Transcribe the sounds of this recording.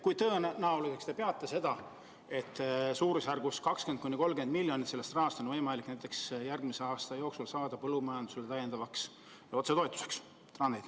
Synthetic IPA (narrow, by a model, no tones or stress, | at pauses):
kujt̪ɤːnɑulise̞kst̪e̞pe̞ɑt̪ːˑese̞d̪̥ɑ | e̞t̪ːˑsuːɾusærɡ̥uskɑkskenkunːiko̞lːɡend̪̚milʲːjo̞nʲit̪sele̞st̪rɑhɑst̪o̞nvɤjmɑliknæjt̪ːˑe̞ksjærɡmise̞ɑːst̪ɑjo̞ːksulsɑːd̪̥ɑpɤlːumɑjɑnd̪use̞let̪æjːe̞nd̪ɑvɑks | jɑot̪se̞t̪o̞et̪ːˑu̥se̞̥ks | t̪rɑnd̪ed̪